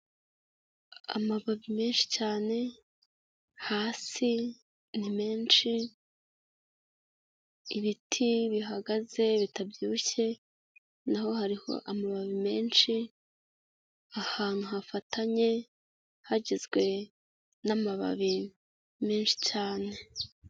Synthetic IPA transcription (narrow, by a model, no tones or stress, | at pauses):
a̰maβaβime̞ːnʃi̥caːne̞ | haːsi | nime̞ːnʃi | iβitʰiβiɦaɡaze̞βitabjuːçe̞ | naho̞haɾiho̞̰ʔamaβaβime̞ːnʃi | ahaːn̥huɦafatʰaɲe̞ | haɟizɡwe̞ | namaβa̰βi | me̞ːnʃi̥caːne̞